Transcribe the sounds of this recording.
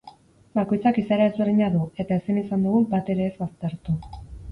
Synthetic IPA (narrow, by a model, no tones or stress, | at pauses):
bako̞jt͡sakisaɾae̞zβe̞rðiɲaðue̞t̪aesinisand̪uɣubat̪e̞ɾe̞ːzβast̪e̞ɾt̪u